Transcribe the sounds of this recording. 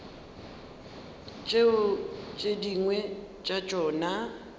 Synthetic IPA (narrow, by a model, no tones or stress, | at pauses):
t͡ʃʼeʊt͡ʃʼediŋwɛ | t͡ʃʼat͡ʃʼɔːna